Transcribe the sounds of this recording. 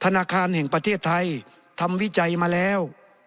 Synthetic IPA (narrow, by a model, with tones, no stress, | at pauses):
t̪ʰa˧naː˧kʰaː˧nhɛː˩ŋpɾa˧t̪ʰeː˥˩t̪ʰːa˧j | t̪ʰa˧mwi˦˥˨t͡ɕa˧jmaː˧lɛː˦˥˩w